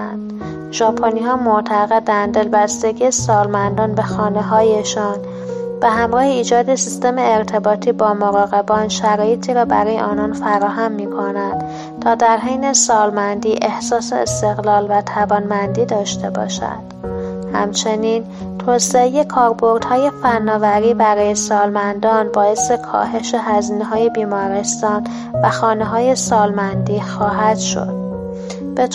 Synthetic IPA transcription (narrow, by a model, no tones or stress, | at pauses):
nd̪̥ | ʒɒːpʰoniːhɒːmoʔt̪ʰæɣe̞d̪ænd̪e̞lbæsd̪e̞ɟisɒːlmænd̪ɒːnbe̞xɒːne̞ɦɒːjeʃɒːn | b̥e̞ɦæmɾɒːheiːd͡ʒɒːd̪esist̪e̞meːɾt̪ʰe̞bɒːt̪ʰiːbɒːmoɾɒːɣe̞bɒːnʃæɾɒːje̞t̪ʰiːɾɒːbæ̰ɾɒːjḛʔɒːnɒːnfæɾɒːɦæmːiːkʰonænd̪̥ | t̪ʰɒːd̪æɾɦejnesɒːlmænd̪iːʔe̞hsɒːseest̪e̞ɣlɒːlvæt̪ʰævɒːnmænd̪iːd̪ɒːʃt̪e̞bɒ̰ːʃæ̰d̪̥hæ̰mt͡ʃʰe̞niːn | t̪ʰoːseeje̞kʰɒːɾbo̞ɾd̪̥hɒːje̞fænːɒːvæɾiːbæɾɒːje̞sɒːlmænd̪ɒːnbɒːje̞sekʰɒ̰ːɦe̞ʃe̞ɦæziːneɦɒːje̞biːmɒːɾe̞st̪ɒːn | væxɒːneɦɒːje̞sɒːlmænd̪iːxɒːɦæd̪̥ʃo̞̰d̪̥̚ | b̥e